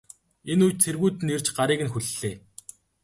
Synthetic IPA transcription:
enujt͡ɕt͡sʰerɣuːjt̪ɘ̆ner̥t͡ɕɢaɾiːɣɘ̆nxuɮːeː

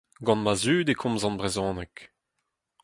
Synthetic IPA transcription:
ɡɑ̃nmazyːd̪ekʰɔ̃mzɑ̃nbʁezɔ̃ːnɛk

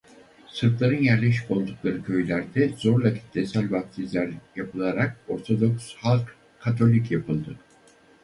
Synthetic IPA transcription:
sɯɾt̪lˠaɾɯnjæɾlʲeʃi̥ko̞lˠd̪uklˠaɾɯcʰø̞jlʲæɾd̪ɛzo̞ɾlˠak̪ʰi̥t̪d̪ɛsælʲvak̚t̪ʰizlʲæɾjapʰɯlˠaɾak̚o̞ɾt̪ʰo̞d̪o̞kshalˠkʰː | at̪ʰo̞lʲicjapʰɯlˠd̪ɯ

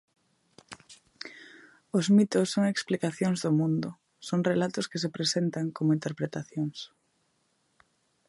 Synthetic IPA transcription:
ʊzmit̪ʊsːoŋeksplikaθjoŋzðʊmũnd̪ʊ | soŋrelat̪ʊskɪs̬epɾesent̪aŋkomʊint̪eɾpɾet̪aθjoŋs

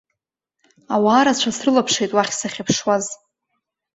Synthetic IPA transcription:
awaːɾat͡ɕʷʰasrɨlapʰʂejtʼwaχʲsaχʲapʰʂwaz

